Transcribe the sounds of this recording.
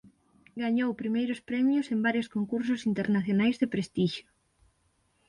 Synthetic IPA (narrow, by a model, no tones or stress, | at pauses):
ɡaɲowpɾimejɾʊspɾɛmjʊsembaɾjoskoŋkuɾsʊsint̪eɾnaθjonajzðepɾest̪iʃʊ